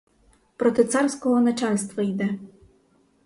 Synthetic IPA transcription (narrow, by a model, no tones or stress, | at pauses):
pɾɔt̪ɪt̪sɑrsʲkɔɦɔnɐt͡ʃɑlʲst̪ʋɐjd̪ɛ